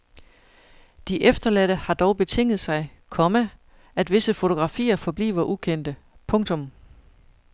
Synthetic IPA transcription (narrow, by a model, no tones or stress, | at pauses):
d̥iʔefd̥ɐlæɾ̥əhɑ̈d̥ɒʊb̥e̝t͡sʰe̝ŋ̰ð̞̩ˠsɑ̈ɪkʰɒ̽mə | æd̥ʋe̝səfo̝t͡sʰo̝ɡ̥ʁɑ̈fḭːɐfɒ̽b̥lḭːʋɐʔukʰen̰d̥əpʰɔ̽ŋt͡sʰɔ̽m